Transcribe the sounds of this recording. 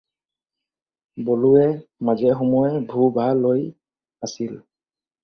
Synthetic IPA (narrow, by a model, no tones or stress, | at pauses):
boluɛmazɛxɔmɔɛbʱubaloj | asil